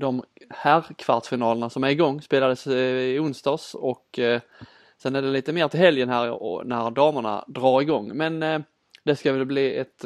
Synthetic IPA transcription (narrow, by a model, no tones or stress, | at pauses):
d̪ɔmhæɾkʰv̥aʈ̪fɪnɑːləɳasɔmæɾɪɡɔŋːspeːlad̪əsɪʊnst̪ɑːsɔk | sɛnæɖɛliːt̪əmeːɾt̪ʰɪlɦɛljənɦæːɾɔ̰næɾd̪ɑːməɳa̰d̪ɾɑːɾɪɡɔŋːmɛn | d̪ɛskavɛlbliːɛt̪